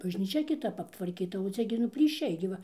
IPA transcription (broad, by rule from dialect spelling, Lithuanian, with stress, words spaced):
bɐʒʲnʲiːˈt͡ʃʲɛ kʲɪˈtɐp ɐptʋɐrʲˈkʲiːtɐ oː ˈt͡sʲɛ ɡʲɪ nʊ pʲlʲiːˈʃʲɛɪ ɡʲɪ ˈʋɐ